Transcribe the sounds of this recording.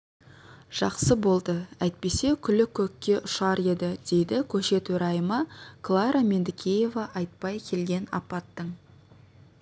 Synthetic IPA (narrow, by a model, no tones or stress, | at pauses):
ʒ̥ɑqsəbo̞lˠd̪əæjt̪̚pe̞se̞kʲʰʏlɪkʲʰɵkʲːe̞ʔʊʃɑɾe̞d̪ɪd̪̥e̞jd̪ɪkʲʰɵʃe̞t̪ɵɾɑjəməkʰlˠɑɾame̞nd̪ɪkʲʰeje̞vɑʔɑjt̪̚pɑjkʲʰe̞lɡʲe̞nɑ̰pɑt̪ːəɴ